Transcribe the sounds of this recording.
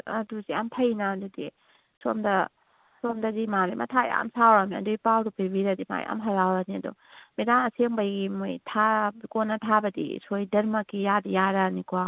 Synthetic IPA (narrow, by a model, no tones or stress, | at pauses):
ɐ̰duziamtʰɐjnadudi | somdɐ | somdɐzimaɾimʔɐ̰tʰaj̰a̰msawɾamiɐ̰dujpawɾupibiɾadima̰j̰a̰mɦɐɾawɾaniɐ̰dɔ̰medanɐseŋbajɡimojtʰakonːɐtʰabɐdḭsojdɐɾmɐkijadijaɾanikua